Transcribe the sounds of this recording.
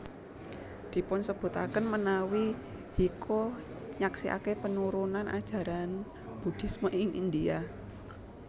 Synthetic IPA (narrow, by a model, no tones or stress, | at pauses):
d̪̥i̤pʊnsəb̥ṳt̪a̰kənmənawi | hikʰɔ | ɲaksiʔa̰kepənuɾunanʔa̰d̥ʒ̥ä̤ɾan | b̥ṳd̪̥i̤smɔʔɪŋʔḭnd̪ia